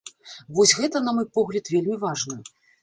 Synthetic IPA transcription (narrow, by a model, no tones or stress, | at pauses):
vɔsʲɣɛt̪ɐnɐmɔjpɔɣlʲɐt̪vʲelʲmʲivaʐnɐ